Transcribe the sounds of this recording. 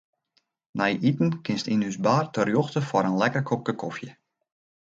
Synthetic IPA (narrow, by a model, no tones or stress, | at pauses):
najʔitn̩kɪnstinysbaːrtərjoxtəfɔɾənlɛkərkʰok̚kəkʰɔfjə